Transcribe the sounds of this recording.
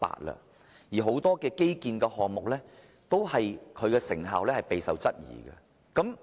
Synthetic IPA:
pa̰ː˨t̚lɐ̰˧ | jiː˨˩ɦo˨˥wt̪ɔː˥kɛː˧ke˥jkiː˧nkɛː˧ɦɔː˨ŋmʊ˨k̚lɛː˥ | t̪o˥whɐ˨jkʰɵ˨˧ɥkɛː˧sɪ˨˩ŋɦaː˨wlɛː˥hɐ˨˩jpe˨jsɐ˨wt͡sɐ˥t̚jḭː˨˩ɡɐ̰˧ | kɐ˨˥m

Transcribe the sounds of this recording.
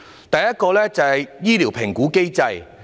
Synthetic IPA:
t̪ɐ˨jɐ˥t̚kɔː˧lɛː˥t͡sɐ˨hɐ˨jjiː˥liː˨˩wpʰɪ˨˩ŋkuː˨˥ke˥jt͡sɐ˧j

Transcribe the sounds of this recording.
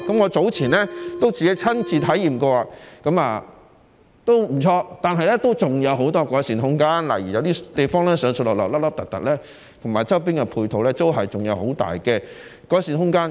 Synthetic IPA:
kɐ˨˥mŋɔː˨˧t͡so˨˥wt͡sʰiː˨˩nlɛː˥t̪o˥wt͡siː˨ke˨˥jt͡sʰɐ˥nt͡siː˧t̪ʰɐ˨˥jiː˨˩mkɔː˧a˧kɐ˨˧˥maː˧ | t̪o˥wm̩˨˩t͡sʰɔː˧t̪aː˨nɦɐ˨jlɛ˥t̪o˥wt͡sʊ˨ŋjɐ˨˧wɦo˨˥wt̪ɔː˥kɔː˨˥siː˨˩nhʊ˥ŋkaː˥nla̰˨˩jiː˨˩jɐ˨˧wt̪iː˥t̪e˨˩jfɔː˥ŋlɛː˥sœː˨˧˥ŋsɵ˧lɔː˨˩lɔ̰˨lɐ˥p̚lɐ˥p̚t̪ɐ˨k̚t̪ɐ̰˨k̚lɛː˥ | t̪ʰʊ˨˩ŋmaː˨˩jt͡sɐ˥wpi˥nkɛ˧pʰuː˧jt̪ʰo˨˧wlɛː˥t̪o˥wɦɐ˨jt͡sʊ˨ŋjɐ˨˧who˨˥wt̪a̰ː˨jkɛ˧kɔː˨˥siː˨˩nɦʊ˥ŋkaː˥n

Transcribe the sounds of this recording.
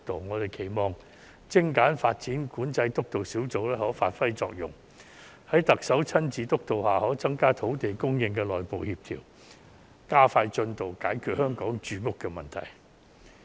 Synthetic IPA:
t̪o˨˩wŋɔː˨˧t̪e˨˩jkʰe˨˩jmɔː˨˩ŋ | t͡sɪ˥ŋkaː˨˥nfaː˧t̚t͡siː˨˥nkuː˨˥nt͡sɐ˧jt̪ʊ˥k̚t̪o˨wsiː˨˥wt͡so˨˧˥wlɛː˥hɔː˨˥faː˧t̚fɐ˥jt͡sɔː˧k̚jʊ̰˨˩ŋ | hɐ˨˥jt̪ɐ˨k̚sɐ˨˥wt͡sʰɐ˥nt͡siː˨˥t̪ʊ˥k̚t̪o˨whaː˨hɔː˨˥t͡sɐ˥ŋkaː˥t̪ʰo˨˥wt̪e˨˩jkʊ˥ŋjɪ˧ŋkɛː˧lɔː˨˩jpo˨whiː˧p̚t̪ʰḭː˨˩w | kaː˥faː˧jt͡ʃɵ˧nt̪o˨˩wkaː˨˥jkʰyː˨t̚hœː˥ŋkɔː˨˥ŋt͡ʃyː˨˧kʊ˥kːɛː˧mɐ˨nt̪ʰɐ̰˨˩j

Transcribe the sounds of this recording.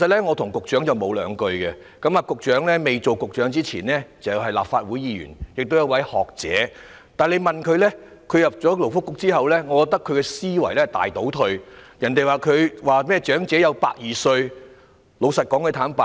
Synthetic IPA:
ke˨˩sɐ˨t̚lɛ˥ŋɔː˨˧t̪ʰʊ˨˩ŋkʊ˨k̚t͡ʃœː˨˥ŋt͡sɐ˨wmo˨˧wlœ̰ː˨˧ŋkɵ˧ɥkɛ˧ | kɐ˨˥maː˨˧kʊ˨k̚t͡ʃœː˨˥ŋlɛː˥me˨jt͡so˨wkʊ˨k̚t͡ʃœː˨˥ŋt͡siː˥t͡sʰḭː˨˩nlɛː˥t͡sɐ˨wɦɐ˨jlaː˨p̚faː˧t̚wu˨˥jiː˨˧ɥy̰ː˨˩njɪ˨k̚t̪wjɐ˧wɐ˨˥jhɔː˨k̚t͡sɛ̰ː˨˥ | t̪aː˨nle˨˧jmɐ˨nkʰɵ˨˧ɥlɛ˥ | kʰɵ˨˧ɥjɐ˨p̚t͡ʃɔː˨˥lo˨˩wfʊ˥kːʊ˥k̚t͡siː˥hɐ˨wlɛː˥ŋɔː˨˧kɔː˧k̚t̪ɐ˥kʰːɵ˨˧ɥkɛ˧siː˥wɐ˨˩jlɛ˥˩t̪a̰ː˨jt̪o˨˥wt̪ʰɵ˧ɥjɐ˨˩nt̪e˨jwaː˨kʰɵ˨˧ɥwaː˨mɛː˥˩t͡ʃœː˨˥ŋt͡sɛː˨˥jɐ˨˧wpa̰ː˧k̚jiː˨sɵ˧ɥ | lo˨˧wsɐ˨t̚kɔː˨˥ŋkʰə˧t̪ʰaː˨˥npa˨˧

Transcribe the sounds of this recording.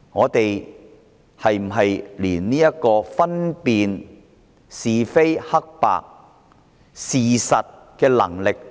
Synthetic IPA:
ŋɔː˨˧t̪e˨j | hɐ˨jm̩˨˩ɦɐ˨jliː˨˩nniː˥jɐ˥kɔː˧fɐ˥npiː˨n | siː˨fe˥jhɐ˥k̚pa̰ː˨k̚ | siː˨sɐ˨t̚ | kɛː˧lɐ̰˨˩ŋlɪ˨k̚

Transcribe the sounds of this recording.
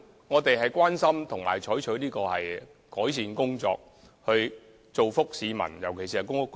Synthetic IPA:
ŋɔː˨˧t̪e˨jɦɐ˨jkʷaː˥nsɐ˥mt̪ʰʊ˨˩ŋma̰ː˨˩jt͡ʃʰɔː˨˥jt͡ʃʰɵ˨˥ɥniː˥kɔː˧hɐ˨j | kɔː˨˥js̬iː˨nkʊ˥ŋt͡sɔ̰ː˧k̚ | hɵ˧ɥ | t͡so˨wfʊ˥k̚siː˨˧mɐ̰˨˩njɐ˨˩wkʰe˨˩si˨˧hɐ˨˩kʊ˥ŋ˧

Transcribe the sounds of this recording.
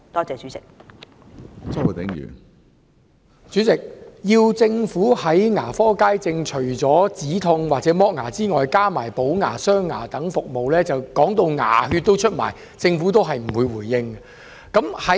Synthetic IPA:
t̪ɔː˥t͡sɛː˨˧t͡ʃy˨˥t͡sɪ˨k̚ | t͡sɐ˥wt̪ɪ˨˥ŋjy̰˨˩n | t͡syː˨˥t͡sɪ˨k̚jiː˧wt͡sɪ˧ŋfuː˨˥hɐ˨˥jŋaː˨˩fɔː˥kaː˥jt͡sɪ˧ŋt͡ʃʰɵ˨˩ɥt͡sɔː˨˥t͡siː˨˥t̪ʰʊ˧ŋwaː˨k̚t͡sɛː˨˥mɔː˥k̚ŋaː˨˩t͡siː˥ŋɔː˨jkaː˥maː˨˩jpo˨˥wŋa̰ː˨˩sœː˥ŋːa̰ː˨˩t̪ɐ˨˥ŋfʊ˨k̚mo˨wlɛː˥t͡sɐ˨wkɔː˨˥ŋt̪o˧wŋa̰ː˨˩ɦyː˧t̚t̪o˥wt͡ʃʰɵ˥t̚ma̰ː˨˩j | t͡sɪ˧ŋfuː˨˥t̪o˥wɦɐ˨jm̩˨˩wuː˨˧jwuː˨˩jːɪ˧ŋ | kɐ˨˥mhɐ˨˦

